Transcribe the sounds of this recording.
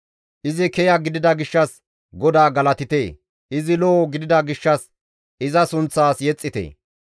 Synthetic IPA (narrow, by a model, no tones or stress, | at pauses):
ʔɪzɪkɛjɐɡɪd̪ɪd̪ɐɡɪʃːɐs | ɡɔd̪aːɡɐlɐt̪ɪt̪eː | ʔɪzɪloːɡɪd̪ɪd̪ɐɡɪʃːɐs | ɪzɐsʊnt͡sːaːsjɛt͡sʼːɪt̪ḛː